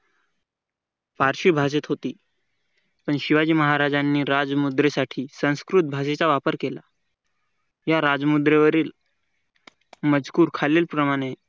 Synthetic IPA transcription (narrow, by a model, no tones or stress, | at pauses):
paɾɕiːbʱas̬et̪ɦot̪iː | pəɳɕiʋad͡ʑiːməɦaɾad͡zanːiːɾad͡zmud̪ɾesaʈʰiːsə̃w̃skɾut̪̚bʱas̬et͡saʋapəɾkela | jaɾad͡zmud̪ɾeʋəɾiːl | məd͡zkuːɾkʰalelpɾəmaɽ̃e